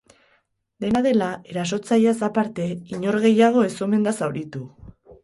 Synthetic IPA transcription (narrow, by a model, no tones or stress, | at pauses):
d̪e̞naðe̞lae̞ɾas̬o̞t͡sajasapaɾt̪e̞iɲo̞ɾɣ̞e̞jaɣ̞o̞e̞so̞me̞nd̪asawɾit̪u